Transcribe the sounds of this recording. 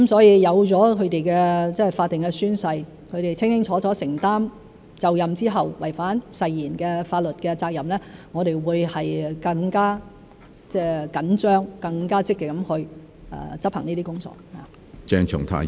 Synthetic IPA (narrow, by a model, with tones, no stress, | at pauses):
kɐ˦msɔː˨˥jiː˧jɐ˨˧wt͡sɔː˨˥kʰɵ˨˧ɥt̪e˨jkɛː˧t͡sɛː˥˩faː˧t̪ːɪ˨˩ŋkɛ˧syː˥nsɐ˧j | kʰɵ˨˧ɥɾe˨jt͡sʰɪ˥ŋkɪ˥ŋt͡sʰɔː˨˥t͡sɔː˨˥sɪ˨˩ŋt̪aː˥m | t͡sɐ˨wjɐ˨mt͡siː˥ɦɐ˨wwɐ˨˩jfaː˨˥nsɐ˧jːiː˨˩nkɛː˧faː˧t̚lɵ˨t̚kɛ˧t͡saː˧k̚jɐ˨mlɛː˥ŋɔ˨˧ɾe˨jwuː˨˧jhɐ˨jkɐ˧ŋkaː˥ | t͡sɛː˥˩kɐ˨˥nt͡ʃœː˥ŋkɐ˧ŋkaː˥t͡sɪ˥k̚ːɛ˨˧kɐ˨˥mhɵ˧ɥ | ʔɛ̰ː˨˩t͡sɐ˥p̚hɐ˨˩ŋniː˥t̪iː˥kʊ˥ŋt͡sɔ̰ː˨˥k̚ha̰˨ | t͡ʃɛː˧ŋt͡ʃʰʊ̰˨˩ŋt̪ʰa̰ː˨˩